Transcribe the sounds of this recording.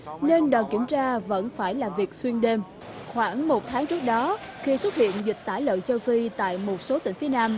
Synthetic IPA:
ne˧nɗəː˨˩jki˧˩əmt͡ɕaː˧və̰˧˥nfaː˧˩jlaː˨˩vi˨˩ək̚swi˧ənɗe˧m | xwaː˧˩ŋmo˨˩t̚t̪ʰaː˨˦ŋt͡ɕɨ˦˥ək̚ɗɔ˨˦xi˧swə˦˥t̚hḭ˧˨ənzi˨˩k̟̚t̪aː˧˩jlə̰ː˧˨jt͡ɕə˧wfi˧t̪a̰ː˧˨jmo˨˩t̚so˨˦t̪ï˧˩ŋ̟fi˨˦ənaː˧m

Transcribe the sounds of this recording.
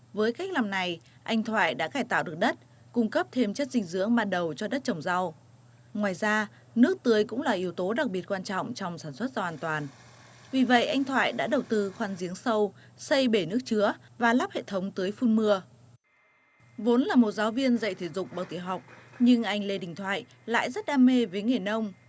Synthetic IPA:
vəː˨˦jka˦˥jk̚laː˨˩mna˨˩j | ʔa˧jŋ̟t̪ʰwa̰ː˧˨jɗa̰ː˧˥kaː˧˩jt̪a̰ː˧˨wɗɨ˨˩ək̚ɗə˦˥t̚ | kʊ˧ŋ͡mkə˦˥p̚t̪ʰe˧mt͡ɕə˦˥t̚zï˧ŋ̟zɨ̰˧˥əŋɓaː˧nɗə˨˩wt͡ɕɔ˧ɗə˦˥t̚t͡ɕə˧˩wŋ͡mza˧w | ŋwaː˨˩jzaː˧ | nɨ˦˥ək̚t̪ɨ˨˦əjkʊ̰˧˥ŋ͡mlaː˨˩ʔi˨˦əwt̪o˨˦ɗa˨˩k̚ɓi˨˩ət̚kwaː˧nt͡ɕɔ̰˧˨wŋ͡mt͡ɕɔ˧˨wŋ͡msaː˧˩nswə˦˥t̚zɔ˧waː˧nt̪waː˨˩n | vi˨˩və̰˧˨jʔa˧jŋ̟t̪ʰwa̰ː˧˨jɗa̰ː˧˥ɗə˨˩wt̪ɨ˧xwaː˧˩nzi˨˦əŋsə˧w | sə˧jɓe˧˩nɨ˦˥ək̚t͡ɕɨ˨˦əvaː˨˩laː˦˥p̚hḛ˧˨t̪ʰə˨˦wŋ͡mt̪ɨː˨˦əjfu˧nmɨ˧ə | vo˨˦nlaː˨˩mo˨˩t̚zaː˨˦wvi˧ənzə̰˧˨jt̪ʰe˧˩zʊ̰˨˩k͡p̚ɓaə˨˩w̚t̪i˧˩əɦa˨˩wk͡p̚ɲɨ˧ŋʔa˧jŋ̟le˧ɗï˧˨˩ŋ̟t̪ʰwa̰ː˧˨j | la̰ː˧˨jzə˦˥t̚ɗaː˧me˧vəː˨˦jŋe˨˩nə˧wŋ͡m

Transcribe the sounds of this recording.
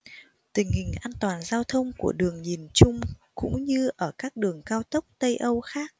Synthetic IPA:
t̪ï˨˩ŋ̟hï˨˩ŋ̟ʔaː˧nt̪waː˨˩nzaː˧wt̪ʰə˧wŋ͡mku˧˩əɗɨ˨˩əŋɲi˨˩nt͡ɕʊ˧ŋ͡mkʊ̰˧˥ŋ͡mɲɨ˧ʔəː˧˩kaː˦˥k̚ɗɨ˨˩əŋkaː˧wt̪ə˦˥k͡p̚t̪ə˧jʔə˧wxaː˦˥k̚

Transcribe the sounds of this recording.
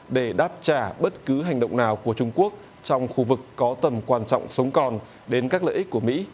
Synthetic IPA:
ɗe˧˩ɗaː˦˥p̚t͡ɕaː˧˩ɓə˦˥t̚kɨ˨˦ɦa˨˩jŋ̟ɗə̰˧˨wŋ͡mnaː˨˩wku˧˩ət͡ɕʊ˧ŋ͡mku˦˥ək̚ | t͡ɕɔ˧wŋ͡mxu˧vɨ˨˩kːɔ˨˦t̪ə˧˩mkwaː˧nt͡ɕɔ̰˧˨wŋ͡msə˨˦wŋ͡mkɔ˨˩n | ɗe˨˦nkaː˦˥k̚lə̰ː˧˨ʔk̟̚ku˧˩mḭ˧˥

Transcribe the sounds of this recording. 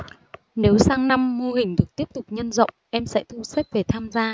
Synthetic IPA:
ne˨˦wsaː˧ŋna˧mːo˧ɦï˨˩ŋ̟t̪ɨ˨˩ək̚t̪i˦˥əp̚t̪ʊ˨˩k͡p̚ɲə˧nzə̰˧˨wŋ͡mʔɛ˧msɛ̰˧˥t̪ʰu˧se˦˥t̚ve˨˩t̪ʰaː˧mzaː˧

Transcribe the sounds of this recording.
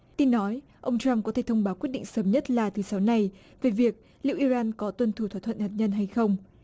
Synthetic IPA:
t̪i˧nːɔ˨˦j | ʔə˧wŋ͡mt͡ɕa˧mkɔ˨˦t̪e˧˩t̪ʰə˧wŋ͡mɓaː˨˦wkwi˦˥ət̚ɗḭ˧˨ŋsəː˨˦mɲə˦˥t̚laː˨˩t̪ʰɨ˨˦sa˨˦wna˨˩j | ve˨˩vi˨˩ək̚ | lḭ˧˨ʔi˧zaː˧nkɔ˨˦t̪wə˧nt̪ʰu˧˩waː˧˩t̪ʰə̰˧˨nhaː˨˩t̚ɲə˧nɦa˧jxə˧wŋ͡m

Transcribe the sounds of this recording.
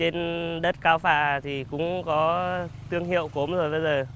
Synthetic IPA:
t͡ɕe˧nɗə˦˥t̚kaː˧wfaː˧˨t̪ʰi˨˩kʊ̰˧˥ŋ͡mkɔ˨˦t̪ɨ˧əŋɦḭ˧˨əwko˨˦mzo˨˩jɓə˧jzəː˨˩

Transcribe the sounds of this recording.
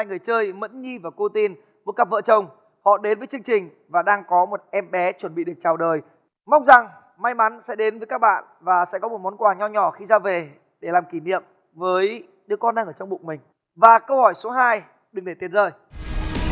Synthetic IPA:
haː˧˩jŋɨ˨˩əjt͡ɕəː˧jmə̰˧˥nɲi˧vaː˨˩ku˧t̪i˧n | mo˨˥t̚ka˦˥p̚və̰ː˧˨t͡ɕə˧˩wŋ͡m | hɔ̰˧˨ɗe˨˦nvə˨˦jt͡ɕɨ˧əŋt͡ɕï˨˩ŋ̟ | vaː˨˩ɗaː˧ŋkɔ˨˦mo˨˩t̚ʔɛ˧mɓɛ˨˦t͡ɕwə˧˩nɓḭ˧˨ɗɨ˨˩k̚t͡ɕaː˨˩wɗəː˨˩j | ma˧wŋ͡mza˨˩ŋ | ma˧jma˨˦nsɛ̰˧˥ɗe˨˦nvəː˨˦jka˦˥k̚ɓa̰ː˧˨n | vaː˨˩sɛ̰˧˥kɔ˨˦mo˨˩t̚mo˨˦nkwaː˨˩ɲɔ˧˩ɲɔ˧˩xi˧zaː˧ve˨˩ | ɗe˧˩laː˨˩mki˧˩nḭ˧˨əm | vəː˨˦j | ɗɨ˧˩əkɔ˧nɗaː˧ŋʔəː˧˩t͡ɕɔ˧ŋ͡mɓṵ˧˨k̚mï˨˩ŋ̟ | vaː˨˩kə˧whɔ˧˩jso˨˦ɦaː˧j | ɗɨ˨˩ŋɗe˧˩t̪i˨˩ət̚zə̰ː˧˨˩j

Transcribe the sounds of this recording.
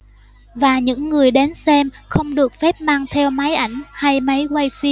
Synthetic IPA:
vaː˨˩ɲɨ̰˧˥ŋːɨ˨˩əjɗe˨˦nsɛ˧mxə˧wŋ͡mɗɨ˨˩ək̚fɛ˦˥p̚maː˧ŋt̪ʰɛ˧wma˨˦jʔa˧˩jŋ̟ha˧jma˨˦jkwa˧jfi˧

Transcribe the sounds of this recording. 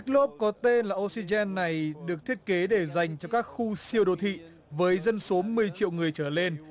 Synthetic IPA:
ɛ˦˥k̚lo˦˥p̚kɔ˨˦t̪e˧nlaː˨˩ʔo˧si˧zɛ˧nːa˨˩jɗɨ˨˩ək̚t̪ʰi˦˥ət̚ke˨˦ɗe˧˩za˨˩jŋ̟t͡ɕɔ˧kaː˦˥k̚xu˧si˧əwɗo̰˧˨t̪ʰḭ˧˨ | vəː˨˦jzə˧nso˨˦mɨ˨˩əjt͡ɕḭ˧əwŋɨ˨˩əjt͡ɕəː˧˩le˧n

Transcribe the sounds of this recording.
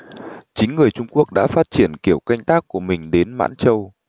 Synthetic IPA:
t͡ɕï˨˦ŋ̟ŋɨ˨˩əjt͡ɕʊ˧ŋ͡mku˦˥ək̚ɗa̰ː˧˥faː˦˥t̚t͡ɕi˧˩ənki˧˩əwka˧jŋ̟t̪aː˦˥kːu˧˩əmï˨˩ŋ̟ɗe˨˦nma̰ː˧˥nt͡ɕə˧w

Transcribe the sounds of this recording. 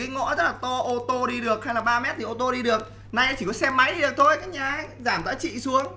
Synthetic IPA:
a˨˦jŋɔ̰˧˥zə˦˥t̚laː˨˩t̪ɔ˧ʔo˧t̪o˧ɗi˧ɗɨ˨˩ək̚ha˧jlaː˨˩ɓaː˧mɛ˦˥t̪̚i˨˩ʔo˧t̪o˧ɗi˧ɗɨ˨˩ək̚ | na˧˩jʔaː˨˦t͡ɕi˧˩kɔ˨˦sɛ˧mːa˨˦jɗi˧ɗɨ˨˩ək̚t̪ʰo˧jkaː˦˥k̚ɲaː˨˩zaː˧˩mt̪a̰ː˧˥t͡ɕḭ˧˨su˨˦əŋ

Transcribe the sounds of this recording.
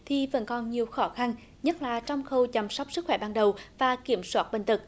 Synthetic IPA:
t̪ʰi˨˩və̰˧˥nkɔ˨˩nɲi˨˩əwxɔ˧˦xa˧n | ɲə˦˥t̚laː˨˩t͡ɕɔ˧wŋ͡mxə˧˩wt͡ɕa˨˩msɔ˦˥wk͡p̚sɨ˦˥k̚xwɛ˧˩ɓaː˨˩nɗə˨˩wvaː˨˩ki˧˩əmswaː˦˥t̚ɓï˧˨ŋ̟t̪ɨ˨˩k̚

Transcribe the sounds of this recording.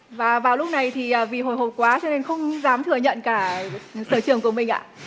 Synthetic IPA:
vaː˨˩vaː˨˩wlʊ˦˥k͡p̚na˨˩jt̪ʰi˨˩əː˨˩vi˨˩ɦo˨˧˩jɦo˨˩p̚kwaː˨˦t͡ɕɔ˧ne˧nxə˧wŋ͡mzaː˨˦mt̪ʰɨ˧˩əɲə̰˧˨nkaː˧˩səː˧˩t͡ɕɨ˨˩əŋk̬u˧˩əmï˨˩ŋ̟ʔa̰ː˧˨

